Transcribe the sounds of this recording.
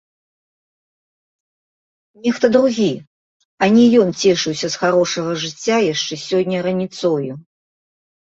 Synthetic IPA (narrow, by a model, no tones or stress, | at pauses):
nʲɛxt̪ɐd̪ɾuɣʲi | ɐnʲɛjɔnt͡sʲɛʂɨwsʲɐsxaɾɔʂɐɣɐʐɨt͡sʲːajaʂt͡ʂɛsʲɔnʲːɐɾɐnʲit̪sɔju